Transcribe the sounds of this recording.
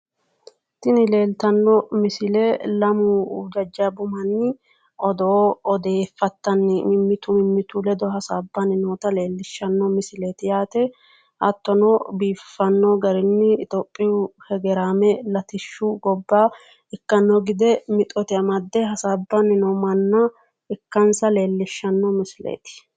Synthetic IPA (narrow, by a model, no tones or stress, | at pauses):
t̪ɪnɪle̞ːlt̪ɐnːɔmɪsɪlɛlɐmʊd͡ʒɐd͡ʒːabʊmɐnːɪ | ɔd̪ɔːd̪e̞ːfːɐt̪ːɐnːɪmɪmːɪt̪ʊmɪmːɪt̪ʊlɛd̪ɔɦɐsaːbːɐnɪnoːt̪ɐle̞ːlːɪʃːɐnːɔmɪsɪleːt̪ɪjaːt̪ɛ | ʔɐt̪ːɔnɔbiːfːɐnːɔːɡɐɾɪnːɪɪt̪oːpʼːɪjʊhɛɡɛɾaːmɛlɐt̪ɪʃːʊɡɔbːaː | ɪkːɐnːɔɡɪd̪ɛmɪt̪ʼɔt̪ɪɐmɐd̪ːɛɦɐsaːbːɐnɪnɔmɐnːɐ | ɪkːɐnsɐle̞ːlːɪʃːɐnːɔmɪsɪlḛːt̪ɪ̥